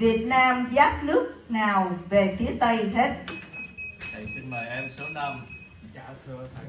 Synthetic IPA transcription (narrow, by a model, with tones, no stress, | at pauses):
vi˨˩ət̚naː˧mzaː˦˥t̚nɨ˦˥ək̚naː˨˩wve˨˩t̪ʰi˨˦ət̪ə˧jɦe˦˥t̚ | ɗə˨˩jsi˧ŋma˨˩jʔɛ˧msa˨˦wna˧m˧kaː˧˦t̪ʰɨ˧ət̪ʰ